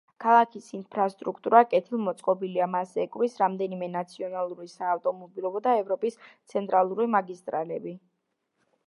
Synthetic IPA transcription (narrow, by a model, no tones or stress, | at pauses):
kʰalˠakʰisinpʰɾast̪ʼɾukʰt̪ʼuɾakʼɛt̪ʰilˠmɔt̪sʼqʼɔbiliamasɛkʼvisɾamd̪ɛnimɛnat̪sʰiɔnalˠuɾisaːft̪ʼɔmɔbilˠɔbɔd̪aɛvɾɔpʼist̪sʰɛnt̪ʼɾalˠuɾimaɡist̪ʼɾalɛbi